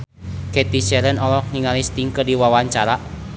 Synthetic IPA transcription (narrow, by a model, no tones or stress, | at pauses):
kɛt̪isɛɾənɔlɔhniŋalist̪iŋkɨrdiwawaɲt͡ʃaɾaʔ